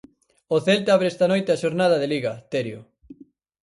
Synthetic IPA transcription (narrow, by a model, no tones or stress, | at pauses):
oθelt̪aβɾeest̪ɐnojt̪eaʃoɾnað̞ɐðeliɣɐt̪eɾjo